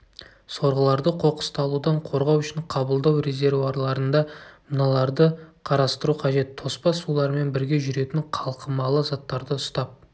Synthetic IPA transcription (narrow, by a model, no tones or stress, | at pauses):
so̞ɾʁəlˠɑɾd̪əqʰo̞qə̥st̪ɑlˠud̪ɑɴqʰo̞ɾʁɑwʏʃɪɴqʰɑbəlˠd̪ɑwre̞zʲe̞ɾvaɾlˠɑɾənd̪ɑmənɑlˠɑɾd̪əqʰɑɾɑst̪əɾuqʰɑʒe̞t̪ʰːo̞spɑsːulˠɑɾme̞nbɪɾɡʲe̞ʒʏɾe̞t̪ɪɴqʰɑlˠqəmɑlˠəzɑt̪ːɑɾd̪əʊst̪ɑp̚